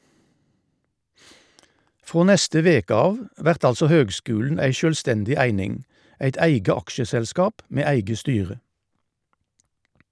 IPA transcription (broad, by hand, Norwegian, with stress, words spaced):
ˈfʁoː ˈnɛstə ˈʋeːkə ˈɑːʋ ˈʋæʁt ˈɑlsɔ ˈhøːɡˌskʉːln̩ ˈæɪ ˌʃøːlˈstɛndɪ ˈæɪnɪŋ ˈæɪt ˈæɪɡə ˈɑkʃəsɛlˌskɑːp ˈmeː ˈæɪɡə ˈstyːʁə